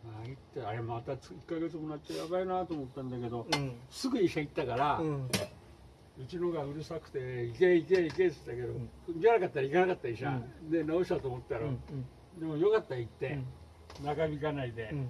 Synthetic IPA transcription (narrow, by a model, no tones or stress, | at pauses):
mait̪ːeajemat̪at͡sikːaɡe̞t͡sɨmonat̪t͡ɕːajabainat̪oːmot̪ːãnd̪ake̞d̪o̞sɨɡɯ̟ɲiɕãit̪ːakaɾa | ɯ̟t͡ɕinoɡaɯ̟ɾɯ̟sakt̪e̞ikeikeiket͡sɨ̥t̪ːake̞d̪o̞kɡanakat̪ːaɾaikanakat̪ːaiɕã̰nenaoɕit̪at̪oːmot̪ːaɾa | d̪e̞mo̞jokat̪ːait̪ːe̞ | nakabʲikanaid̪e̞